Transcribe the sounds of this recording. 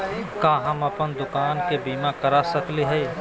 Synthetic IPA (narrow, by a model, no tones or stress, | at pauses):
kaːɦɐmɐpənd̪ʊkaːnkebiːmakɐɾasɐkleɦɛː